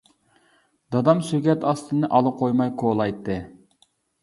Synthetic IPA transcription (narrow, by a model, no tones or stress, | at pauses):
d̪ɑd̪ɑmsykʲɛt̪ɑst̪ɨnɨʔɑlˠəqʰojmɑjkʰoːlˠɑjt̪ʰːɨ